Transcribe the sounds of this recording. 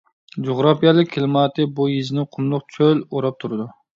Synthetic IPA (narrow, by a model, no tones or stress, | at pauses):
d͡ʒoʁɾɑpijɑlˠɨk̚ʲʰːelmɑːt̪ʰɨbujizɪnɪqʰʊmlˠʊq̚t͡ʃʰøloɾɑp̚t̪ʰuɾɨd̪u